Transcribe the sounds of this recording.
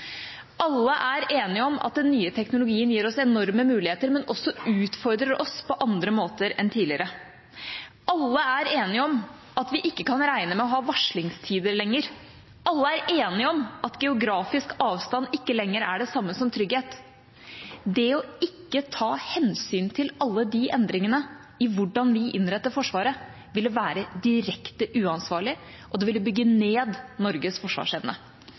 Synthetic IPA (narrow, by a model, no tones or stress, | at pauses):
ʔɑlːəʔæɾeːnɪɔmɑ̰t̪̚d̪ɛnːyːət̪ʰɛknʊlʊɡiːənjiːɾɔsɛnɔɾməmʉːlɪheːt̪əɾmɛnʔɔsːɔʉːt̪fɔɾd̪ɾəɾʔɔspʰɔʔɑnd̪ɾəmoːt̪əɾɛ̰nt̪ʰiːdlɪəɾə | ʔɑlːəæɾeːnɪəɔm | ɑt̪ʋɪʔɪkːəkʰɑnɾæɪnəmɛɔɦɑːʋɑʂlɪŋst̪ʰiːd̪əɾlɛŋːəɾ | ʔɑlːəæɾeːnɪɔmɑt̪ɡɛʊɡɾɑːfɪskɑːʋst̪ɑnːɪkːəlɛŋːəɾæɖɛsɑmːəsɔmt̪ʰɾʏɡheːt̪ | d̪ɛɔɪkːət̪ʰɑːhɛnsyːnt̪ʰɪlɑlːəd̪iʔɛnd̪ɾɪŋənə | ɪʋʊɖɑnʋɪʔɪ̰nɾɛt̪ːəɾfɔʂʋɑːɾə | ʋɪlːəʋæːɾəd̪ɪɾɛkt̪əʔʉːɑnsʋɑːɭɪ | ʔɔd̪ɛʋɪlːəbʏɡːəneːd̪nɔɾɡəsfɔʂʋɑ̰ːʂɛʋnə̰